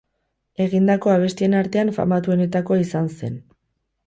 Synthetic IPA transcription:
e̞ɣind̪ako̞aβ̞e̞st̪ie̞naɾt̪e̞aɱfa̰mat̪uo̞ne̞t̪ako̞isanse̞̰n

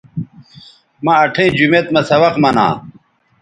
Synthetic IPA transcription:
mɐɐʈʰẽːd͡ʑumet̪mɐsɐwɐqmɐnã̰ː

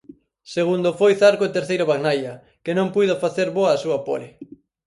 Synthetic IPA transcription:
seɣ̞und̪ofojθaɾkoet̪eɾθejɾʊβaɣnajɐ | kɪnõmpujðofaθeɾβoɐːsuɐpo̰lɪ

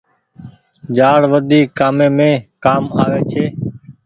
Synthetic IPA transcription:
d͡ʒaːɽʋəd̪iːkːaːmẽːmẽːkaːmaːʋeːt͡ʃʰeː

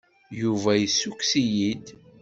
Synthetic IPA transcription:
juvæjisːukːsijid̪

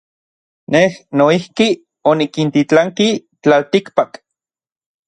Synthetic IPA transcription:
nehnoihki | onikint̪it͡ɬaŋki | t͡ɬalt̪ikpak

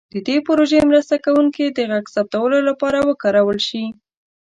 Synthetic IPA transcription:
d̪̥əd̪epəɾoʒemɾast̪akawuŋked̪əɣaɡsap̚t̪awəlolapɑɾawəkɑɾawəlʃi

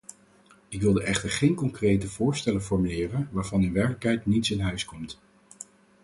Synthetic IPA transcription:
ɪkʋɪlˠdəʔɛχtəɹχejnkɔŋkrejtəvʊːɹstɛlənvɔɹmylɪːrənʋaːɹvɑnɪnʋɛɹkləkɦɛjtnitsɪnɦœɥskɔmt

